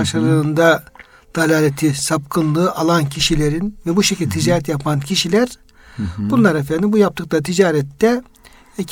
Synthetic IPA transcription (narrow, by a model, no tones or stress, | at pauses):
aʃaɾɯɯnd̪a | d̪̥alʲaːlʲet̪ʰisap̚kʰɯnlˠɯːʔalˠancʰiʃilʲe̞ɾinvɛbuʃecʰilʲd̪ʲɛt̪ʰid͡ʒaːɾɛt̪japʰancʰiʃilʲæɾ̥ | bunlˠaɾɛfɛnd̪ʲmbujap̚t̪ʰɯklˠaɾɯt̪ʰid͡ʒaːɾɛt̪ːɛ